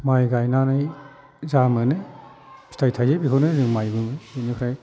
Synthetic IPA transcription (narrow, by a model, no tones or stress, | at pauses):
majɡajnanaj | zamɯnɯj | i̥tʰajtʰazebikʰawnɯjzɯŋmajbɯmɯjbɯnɯkʰɾaj